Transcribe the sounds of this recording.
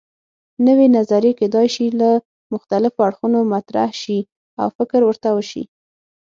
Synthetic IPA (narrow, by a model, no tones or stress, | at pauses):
nəwenazaɾjeked̪ɑjʃila | mʊxt̪alɪfoaɽxunomat̪ɾa̰hʃi | a̰wfɪkɾwəɾt̪awəʃḭ